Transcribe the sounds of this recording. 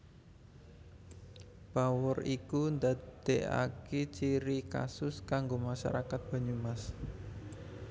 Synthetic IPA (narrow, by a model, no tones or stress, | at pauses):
b̥awʊrikund̪ad̪̥eʔa̰ket͡ʃiɾika̰sʊskaŋɡomaʃa̰ɾakat̪̚b̥ä̤ɲumas